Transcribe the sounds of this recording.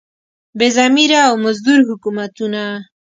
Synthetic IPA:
bezamiɾaːwmazd̪uɾɦʊkumat̪una

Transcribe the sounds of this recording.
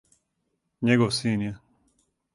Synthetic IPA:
ɲeɡoʋsiːnjɛ

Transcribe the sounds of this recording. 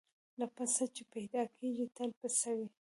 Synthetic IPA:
lapasat͡ʃepajd̪ɑkʰeɡit̪alpasawi

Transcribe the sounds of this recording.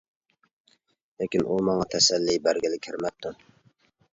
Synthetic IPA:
lekʲinʔumɑŋɑt̪ʰɛsɛlːijbæɾɡʲɪlɪkʲʰɪɾmɛp̚t̪ʰu

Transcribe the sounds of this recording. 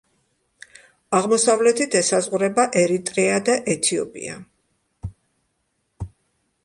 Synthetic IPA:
aʁmɔsavlɛt̪ʰit̪ʰɛsazʁuɾɛbaʔɛɾit̪ʼɾɛad̪aʔɛt̪ʰiɔ̰pʼḭa̰

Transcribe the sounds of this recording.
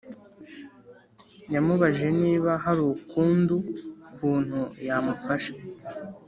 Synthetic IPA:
jamuβaʒe̞niːβaɦaɾukuːndukuːn̥hujamufaʃḁ

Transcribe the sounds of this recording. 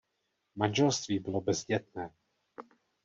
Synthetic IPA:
manʒɛlst̪viːbɪlo̞bɛzɟɛt̪̚nɛː

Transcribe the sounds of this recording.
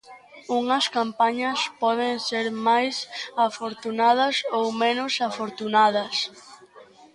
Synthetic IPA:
uŋɐskampaɲɐspɔð̞enseɾmajsafoɾt̪unað̞ɐsowmẽnʊsafoɾt̪unað̞ɐs

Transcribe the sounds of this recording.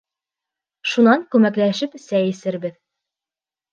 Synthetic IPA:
ʃunɑŋkʉmæklæʃɘpsæjɘ̆sɘɾbɘð

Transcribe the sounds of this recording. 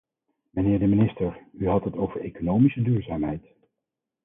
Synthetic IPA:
mənɪːɹdəminɪstəɹyɦɑtɦətowvəɹejkonowmisədyːɹzaːmɦɛ̰jt

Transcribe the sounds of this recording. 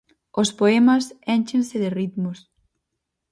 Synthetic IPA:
ospoemɐsent͡ʃẽnsɪðɪrit̪mʊs

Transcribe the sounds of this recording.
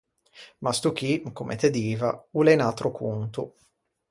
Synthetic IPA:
mast̪uk̟ikomʔḛt̪ed̪iːvauleinat̪ɾokunt̪u

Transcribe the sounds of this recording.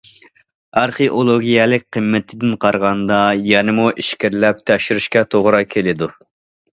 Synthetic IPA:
ɑɾχeʔolˠoɡʲijɛlɪk̚ʲqʰəmːɪt̪ʰɪd̪ɪnqʰɑɾʁɑnd̪ɑjɛnɪmuʔiʃkʲɪɾlɛp̚t̪ʰɛʃyɾyʃkʲɛt̪ʰoʁɾɑkʲʰelɪd̪u

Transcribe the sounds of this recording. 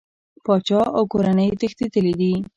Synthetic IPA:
pɑt͡ʃɑawkoɾanəjt̪əxt̪it̪əled̪i

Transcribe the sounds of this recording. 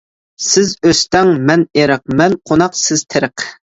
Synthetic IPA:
sɪzøst̪ɛŋmɛneɾəq̚mɛnqʰonɑqsɪz̥t̪ʰɪɾəq

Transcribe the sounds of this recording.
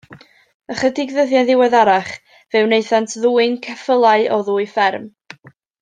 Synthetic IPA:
əχədɪɡðəðjaðɪwɛðaɾaχ | vɛwnejθantʰðuːɨnkʰɛfəlˠaɨʔɔðuːɨfɛrm

